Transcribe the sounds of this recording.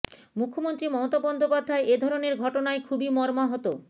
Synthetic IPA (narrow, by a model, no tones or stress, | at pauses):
mukʰːomont̪ɾimɔmot̪abɔnd̪opad̪ʱːaeʔed̪ʱɔɾoneɾɡʱɔʈonaekʰubimɔɾmaɦɔt̪o